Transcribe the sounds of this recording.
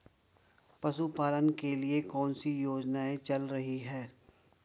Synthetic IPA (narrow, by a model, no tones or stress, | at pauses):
pɐʃupaːlənkeliekɔːnsijoːd͡ʒnaːẽt͡ʃɐlɾɐɦiɦɛː